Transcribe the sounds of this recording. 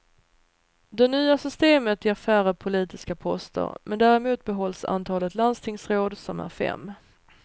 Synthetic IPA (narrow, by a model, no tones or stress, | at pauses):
d̪ɛnyːasʏst̪eːmət̪jɛɾfæːɾapʰʊliːt̪ɪskapʰɔst̪ə̰ɾmʔɛnd̪æːɾɛmuːt̪̚bɛɦɔlːsa̰nt̪ʰɑːlət̪land̪st̪ʰɪŋsɾoːd̪sɔmæ̰ɾfɛ̰mː